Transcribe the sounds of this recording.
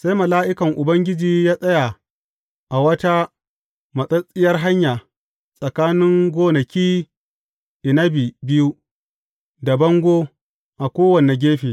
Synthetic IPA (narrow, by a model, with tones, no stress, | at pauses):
sa˦jmɐ˨laː˦ʔɪ˦kɐ˨ŋʔʊ˨bɐ˦ŋɡʲɪ˦d͡ʒiː˨jaː˦sʼɐ˦ja˨ | ʔa˨wɐ˦ta˦ | mɐ˨sʼɐ˦sʼɪ˦jɐ˦rɦa˦ɲjaː˨ | sʼɐ˨kaː˦nɪ˦ŋɡʷoː˦nɐ˨kʲiː˦ | ʔɪ˨nɐ˦biː˨bɪ˦ju˦ | da˨bɐ˦ŋɡʷoː˦ | ʔa˨kʷoː˦wɐ˨ne˨ɡʲeː˦ɸiː˨